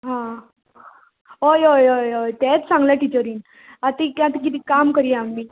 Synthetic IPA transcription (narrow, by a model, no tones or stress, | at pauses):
ɦã | ɦojojojojt̪ɛt͡ssãŋɡljaʈit͡ɕəɾiːn | at̪ikãt̪ikit̪ikamkəɾiɛamːiː